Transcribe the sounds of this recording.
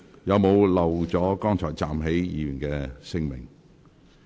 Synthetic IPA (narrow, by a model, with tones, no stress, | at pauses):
jɐ˨˧wmo˨˧wlɐ˨wt͡sɔː˨˥kɔː˥ŋt͡ʃʰɔ̰ː˨˩jt͡saː˨mɦe˨˥jjiː˨˧˥jyː˨˩nkɛː˧sɪ˥ŋmɪ̰˨˩ŋ